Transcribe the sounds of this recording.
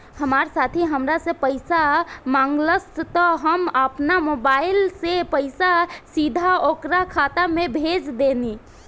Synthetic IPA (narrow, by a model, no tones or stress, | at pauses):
həmaɾsat̪ʰiɦəmɾasẽpəjsamaŋɡləst̪əɦəməpnamobailsepəjsasid̪ʱaokɾakʰat̪amebʱed͡ʒd̪eni